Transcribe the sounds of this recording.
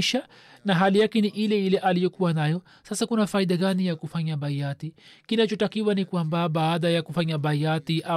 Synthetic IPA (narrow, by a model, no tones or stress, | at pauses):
ʃa | naɦalijakɛniʔilɛilɛʔalijɔkuwanajɔ | sasakunafaiɗaɡanijakufaɲaɓaiatikinat͡ʃɔtakiwanikwambaɓaːɗajakufaɲaɓaiatiʔa